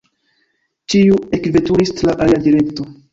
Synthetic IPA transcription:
t͡ʃiuekve̞tuɾistlaʔaliadiɾe̞kto̞

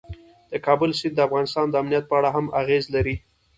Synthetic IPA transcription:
d̪̥əkɑbəlsɪnd̪əafɣɑnɪst̪ɑnd̪əamnijat̪̚pəaɽaɦamaɣezlaɾi

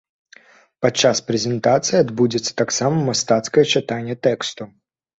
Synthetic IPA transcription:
pɐtt͡ʂːaspɾʲɛzʲɛnt̪at̪sɨjiad̪bud͡zʲɪt̪sːə̥t̪aksamɐmmːast̪at̪skɐjɛt͡ʃɨt̪anʲːjɛt̪ɛkst̪ʊ

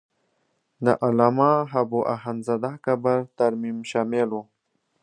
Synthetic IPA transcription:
d̪ə̰ʔalamaɦabuʔaɦanzad̪akabaɾt̪aɾmimʃamelu

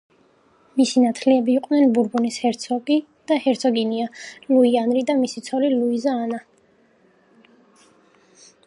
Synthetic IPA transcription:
misinat̪ʰliɛbiːqʼnɛnbuɾbunishɛɾt̪sʰɔɡi | d̪̥ahɛɾt̪sʰɔɡinialuianɾid̪amisit̪sʰɔliluizaːna

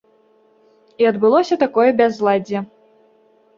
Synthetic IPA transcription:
iɐd̪bɨlˠɔsʲɐt̪akɔjɛbʲazlˠad͡zʲɛ

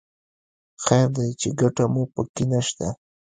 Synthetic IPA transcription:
xaɾd̪ajt͡ʃɪɡaʈamʊpəkɪnaʃt̪a

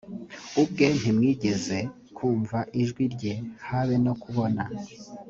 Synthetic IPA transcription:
ub̚ɡe̞n̥imŋiːɟe̞ze̞ | kʰuːɱvaʔiʒɡwiɾɟe̞haβe̞no̞kuβo̞na

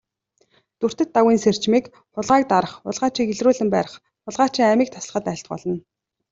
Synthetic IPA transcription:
t̪ur̥t̪ɘ̆t̪ːawiːnser̥t͡ɕmiːk | χʊɮʁaːk̚t̪aɾə̆χʊ̰ɮʁaːt͡ɕiːkeɮruːɮɘ̆mpæːɾə̆χ | χʊɮʁaːt͡ɕiːŋæmiːk̚t̪ʰḁsɮə̆χə̆t̪æɪ̆ɬt̪̚pɔ̰ɮɞ̆n

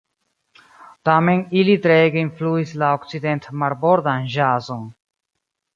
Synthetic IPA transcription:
t̪aːmenilit̪ɾeːɡeinfluːislaokt͡sid̪ent̪mɐɾboɾd̪anʒaːzon

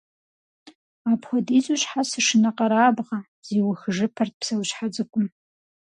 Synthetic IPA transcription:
apʰχʷadizuʃħasɨʂɨnaqʼaɾaːbʁa | z̥iwaxɨʐɨpʰart̚ʰʼpʰsawʃħad͡zɨkʷʼʊm

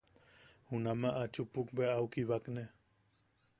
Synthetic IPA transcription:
hunamaʔat͡ʃupukbeaukiβakne

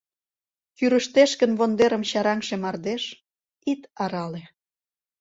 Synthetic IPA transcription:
kyɾəʃt̪eʃkə̆nβond̪eɾə̆mɕɑɾɑŋʃemɑrd̪eʃ | it̪ɑɾɑle

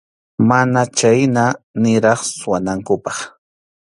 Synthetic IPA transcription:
manat͡ʃajnanɪɾɑχsʊwanaŋkʊpɑχ

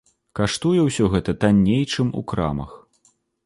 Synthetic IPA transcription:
kaʂt̪ujɛwsʲɔɣɛt̪ɐt̪anʲːejt͡ʂɨmṵkɾa̰mɐ̰x

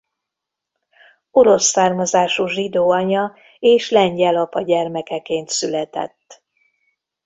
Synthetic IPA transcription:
o̞ɾo̞sːaːrmɒzaːʃuʒid̪oːɒɲɒ | eːʃlɛɲɟɛlɒpɒɟɛrmɛkɛkeːnt̪sylɛt̪ɛ̰t̪ː

